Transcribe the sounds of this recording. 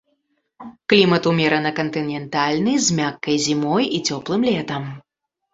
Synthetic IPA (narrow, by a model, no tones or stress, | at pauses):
klʲimɐt̪umʲɛɾɐnɨkɐnt̪ɨnʲɛnt̪alʲnɨjzʲmʲakːɐjzʲimɔjit͡sʲɔplˠɨmlʲɛt̪ɐm